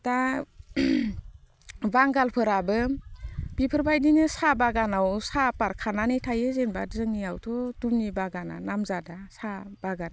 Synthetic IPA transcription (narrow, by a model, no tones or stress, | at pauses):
d̥a | baŋɡalpʰɯɾabɯ | b̥ipʰɯɾbajdinɯsabaɡanawsapaɾkʰananitʰajɯzenbazɯŋniawtʰɔdumnibaɡana̰namzadasab̥aɡana